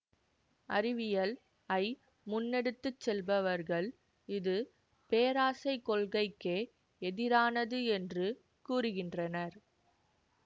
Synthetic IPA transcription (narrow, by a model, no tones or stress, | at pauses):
ʔɐ̰rɪʋɪjɐl | ɐɪ | mʊnːɛɽɯt̪ːɯt͡ʃːɛlbɐʋɐɾɣɐɭ | ɪðɯ | peːɾaːsɐɪkːɔɭɣɐɪkːeː | ɛðɪɾaːnɐðɯɛndrɯ | kuːrɯɣɪndrɐnɐɾ